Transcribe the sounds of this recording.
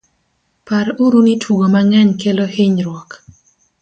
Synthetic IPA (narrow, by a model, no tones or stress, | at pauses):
paɾuɾunitʰuɡomaŋɛɲkeloheɲɾwɔk